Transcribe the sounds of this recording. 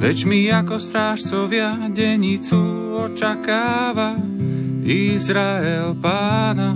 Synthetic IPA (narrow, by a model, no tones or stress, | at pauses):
ʋɛt͡ʃmiakɔst̪ɾaːʃt͡sɔʋɪaɟɛɲit͡su | ɔt͡ʃakaːʋa | izɾaɛlpaːna